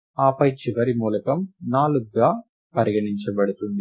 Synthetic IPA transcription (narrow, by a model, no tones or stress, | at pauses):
aːpɐjt͡ʃiʋɐɾimuːlɐkɐmnaːluɡːaː | pɐɾiɡɐɳiɲt͡ʃɐbɐɽut̪und̪i